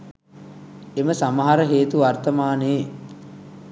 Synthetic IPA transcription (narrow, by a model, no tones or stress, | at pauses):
eməsamɐɦaɾəɦeːt̪uʋart̪ɐmaːneː